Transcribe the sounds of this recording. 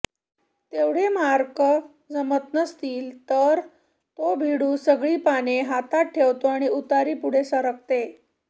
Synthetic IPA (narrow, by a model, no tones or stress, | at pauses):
t̪eʋɽ̤emaɾkə | d͡zəmət̪̚nəst̪iːlt̪əɾ | t̪obʱiɽuːsəɡɭiːpaneɦat̪aʈʰːeʋt̪oaɽ̃iut̪aɾiːpuɽ̤esəɾək̚t̪e